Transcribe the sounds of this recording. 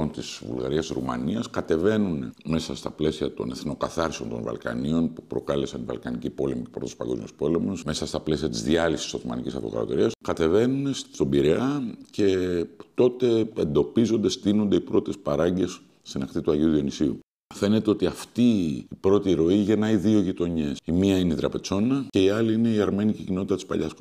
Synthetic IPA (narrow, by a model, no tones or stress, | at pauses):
ont̪isvṵlɣɐ̰ɾiɐsɾṵmɐ̰niɐskɐt̪e̞ve̞nunme̞sɐst̪ɐple̞siɐt̪o̞̰ne̞θno̞kɐθɐɾseo̞nt̪o̞nvɐ̰lkɐ̰nio̞npupɾo̞kɐle̞sɐnvɐ̰lkɐnicipo̞le̞micepɾot̪suspɐ̰ɡo̞zmjospo̞le̞mosme̞sɐst̪ɐple̞siɐt̪izðiɐlisi̥isot̪omɐ̰nicisɐft̪oɣɐ̰ɾot̪oɾiɐskɐt̪e̞ve̞nunest̪o̞biɾe̞ɐce̞t̪o̞t̪e̞end̪o̞pizo̞nd̪e̞st̪ino̞nd̪eipɾo̞t̪e̞spɐɾɐɲɟe̞sː | inɐxt̪it̪uɐʝiuðio̞nisiṵ | fe̞ne̞t̪e̞o̞t̪iɐft̪iːpɾo̞t̪iɾo̞iʝe̞nɐiðio̞ʝit̪o̞ɲe̞simiɐineit̪ɾɐpe̞t͡so̞nɐce̞iɐliine̞iɐɾme̞nicicino̞t̪it̪ɐt̪ispɐ̰ʎɐs